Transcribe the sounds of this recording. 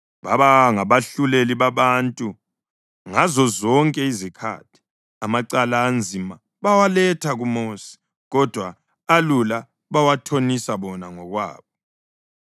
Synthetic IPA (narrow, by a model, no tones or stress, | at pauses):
βaβaŋaβaɬuleliβaβantʼu | ŋazɔzɔŋkʼɛizikʰa̰ːtʰi̥ | amaǀalaːnd͡zʱima | βawalɛtʰaɣumoːsi̥ | ɣɔd̥ʱwaː | lula | βawatʰonisaβɔnaŋɔɣwa̰ːβɔ